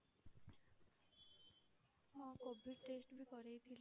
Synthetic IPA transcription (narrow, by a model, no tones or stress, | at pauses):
mɔ̃kobʱiʈesʈbʱikɔɾejt̪ʰil